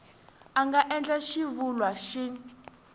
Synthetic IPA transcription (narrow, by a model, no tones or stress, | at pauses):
aŋɡaʔɛnd͡ɮɛʃivulwaʃi